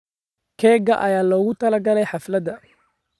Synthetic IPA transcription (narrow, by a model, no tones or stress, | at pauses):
kʰɛːɡɐʔɐjaːlɔːɣʊt̪ʰɐlɐɡɐlɛjħɑflɐd̪ɐ